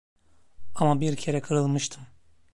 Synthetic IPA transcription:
amabiɾcʰe̞ɾɛkʰɯɾɯlˠmɯʃt̪ʰɯm

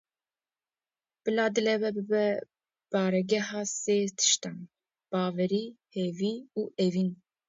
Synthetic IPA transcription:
b̥ɨlɑːd̪ɨlɛbɛbɨbɛ | b̥ɑːɾɛɡɛɦɑːseːt̪ʰɨ̥ʃt̪ɑn | b̥ɑːvɛɾiːheviːuːʔevin

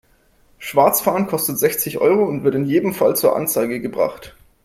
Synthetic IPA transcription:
ʃv̥aɐt͡sfaːənkʰɔstətz̥ɛçt͡sɪçʔɔ̰ʏʁoʊntv̥ɪɐtɪnjeːdmfalt͡suːɐʔa̰nt͡saɪɡəɡəbʁa̰χt

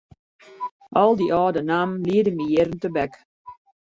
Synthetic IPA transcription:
ʔɔlˠdiʔɔːdənamliədəmijɪɾən̩təbɛk

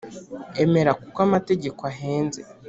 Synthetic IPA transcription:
eme̞ɾakukwamate̞ɟe̞koaɦe̞ːnze

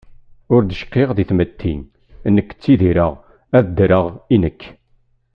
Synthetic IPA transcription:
ʊɾd̪əʃqːeʁðiθmət̪ʰːḭn | nːəkːə̥t͡sːiðiɾəʁ | æðd̪ɾəʁinəkː

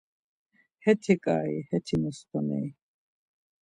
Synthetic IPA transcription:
hɛt̪ʰikʼaːḭhɛt̪ʰimɔst̪ʰɔnɛ̰j

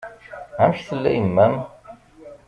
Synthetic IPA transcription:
ænçθəlːæ̰jəmːæm

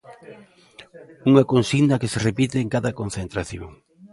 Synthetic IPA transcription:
uŋɐkonsiɣnɐkeserepit̪ɪːŋkaðɐkon̟θent̪ɾaθjo̰ŋ

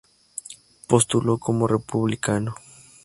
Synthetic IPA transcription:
post̪ulokʰomorepuβlikano

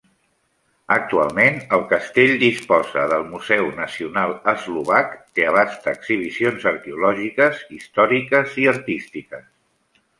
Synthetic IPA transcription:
ək̚t̪ua̰lˠmenəlˠkəst̪eʎd̪ispɔzəðəlˠmuzɛwnəsiunalˠəzluβ̞akt̪eəβ̞ast̪əːksiβ̞isionzəɾkɛulɔʒikəzist̪ɔɾikəziəɾt̪ist̪ikəs

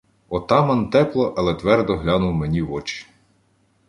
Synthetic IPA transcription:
ɔt̪ɑmɐnt̪ɛplˠɔʔɐlˠɛt̪ʋɛrd̪ɔɦlʲɑnʊwmenʲiʋɔt͡ʃi̥

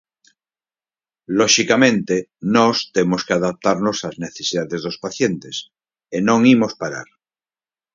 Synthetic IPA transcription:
loʃikamẽ̞nt̪enost̪emoskeaðap̚t̪aɾno̞sazne̞θesiðaðe̞zðospaθje̞nt̪es | enõ̞ŋimo̞spaɾa̰ɾ

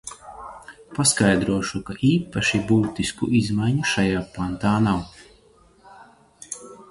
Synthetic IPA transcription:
paskajd̪ɾuɔʃukaʔiːpaʃibuːt̪iskṵʔizmajɲuʃajaːpant̪aːnaw

